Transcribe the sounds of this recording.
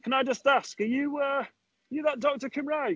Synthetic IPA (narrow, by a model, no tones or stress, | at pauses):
kʰə̃naɪd͡ʒʌstaskəjəʌ | jəðəʔ̚d̥ɒk̚təkʰɪ̃mɹaɪ